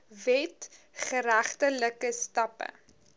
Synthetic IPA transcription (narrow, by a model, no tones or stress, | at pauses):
vɛt | χəɾæχtələkəstɐpə̰